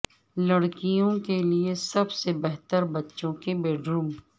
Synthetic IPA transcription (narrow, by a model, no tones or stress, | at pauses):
lɐɽkijõkeliesɐbsebɛɦt̪əɾbɐtːʃõkebeːɖɾuːm